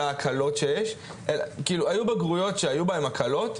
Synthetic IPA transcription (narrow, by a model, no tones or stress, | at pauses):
aːkʰalo̞tʃe̞jeʃ | ʔelkiːluajubeɡʁujo̞tʃe̞ajubaemakʰalo̞t